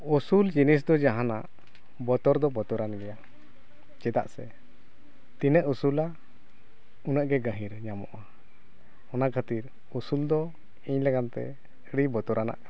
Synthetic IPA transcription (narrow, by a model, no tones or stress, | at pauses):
usuld͡ʒinis̬d̪ɔd͡ʒaɦanaʔ | bɔt̪ɔɾd̪ɔbɔt̪ɔɾanɡɛja | t͡ʃɛd̪a̰ʔsɛ̰ | t̪inəʔusula | unəʔɡɛɡə̃ɦiɾɲamɔ̰ʔa | ɔnakʰət̪iɾ | usuld̪ɔ | iɲlɛɡant̪ɛ̰ | əɽibɔt̪ɔɾana̰ʔ